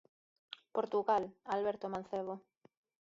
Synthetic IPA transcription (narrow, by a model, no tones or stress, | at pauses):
poɾt̪uɣalalβeɾt̪omãn̟θeβo